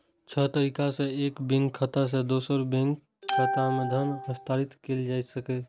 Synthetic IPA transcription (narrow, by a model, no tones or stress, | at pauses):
t͡ʃʰət̪əɾikasẽeːkbẽŋkʰːət̪as̬ẽd̪osəɾbẽŋk | kʰːət̪amed̪ʱənɦəst̪aːɾit̪keld͡ʒaːjt̪səkɛ